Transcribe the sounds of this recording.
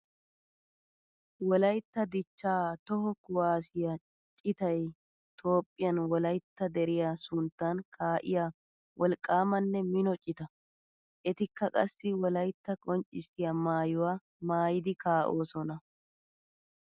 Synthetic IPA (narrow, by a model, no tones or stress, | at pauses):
wɔlɐjt̪ːɐd̪ɪt͡ʃːaːt̪ɔhɔkʊwaːsɪjɐ | t͡ʃʼɪt̪ɐj | t̪ʰo̞ːpʼːɪjɐnwɔlɐjt̪ːɐd̪ɛɾɪjasʊnt̪ːɐnkʰaːʔɪ̰jaː | wʔɔlkʼːaːmɐnːɛmɪnɔt͡ʃʼɪt̪ɐ | ʔɛt̪ɪkːɐkʼɐsːɪwɔlɐjt̪ːɐkʼɔnt͡ʃʼːɪsɪjamaːjʊwaː | maːjɪd̪ɪkaːʔo̞ːsɔnɐ